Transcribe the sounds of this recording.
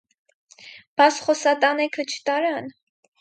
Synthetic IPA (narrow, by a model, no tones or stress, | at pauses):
b̥ɑsχɔsɑt̪ɑnɛkʰət͡ʃʰə̥t̪ɑɾɑn